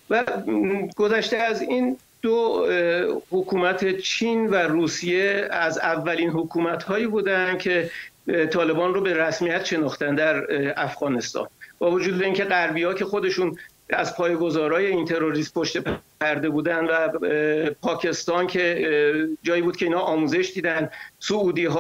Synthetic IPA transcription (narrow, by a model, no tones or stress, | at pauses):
væ | ɡozæʃt̪eæzin | d̪o | hokʰuːmæt̪ʰe̞t͡ʃʰiːnværuːsije̞æzævːæliːnɦokʰuːmæt̪hɒːjiːbuːd̪ænd̪̚cʰe̞t̪ʰɒːle̞bɒːnrobe̞ɾæsmijæt̪ʃe̞nɒːχt̪ænd̪æɾæfɣɒːne̞st̪ɒ̰ːnb̥ɒːvo̞d͡ʒuːd̪eiːŋcʰe̞ɣæɾbiːɒːcʰe̞xod̪e̞ʃun | æ̰zpʰɒːjeɡozɒːɾɒːje̞int̪ʰe̞ɾo̞ɾismpʰoʃt̪e̞p | æɾd̪e̞buːd̪ænd̪væ | pʰɒːcʰe̞st̪ɒːncʰe̞ | d͡ʒɒːjiːbuːd̪̚cʰe̞inhɒʔɒːmuːze̞ʃd̪iːd̪ænd̪souːd̪iːɦː